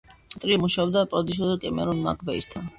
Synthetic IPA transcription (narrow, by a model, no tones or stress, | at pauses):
t̪ʼɾimuʃaɔbd̪apʼɾɔd̪iʃ̬ɔzɔkʼɛmɛ̰ɾɔnma̰kʰʼvɛist̪ʰan